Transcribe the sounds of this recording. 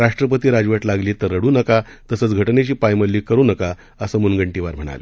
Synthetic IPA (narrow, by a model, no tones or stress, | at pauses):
ɾaʂʈɾəp̬ət̪iːɾad͡ʑuʋaʈlaɡliːt̪əɾːəɽuːnəkat̪əsəːt͡sɡʱəʈnet͡ɕiːpajməlːiːkəɾuːnəka | əsəːmunɡəɳʈiʋaɾm̤əɽ̃a̰lḛ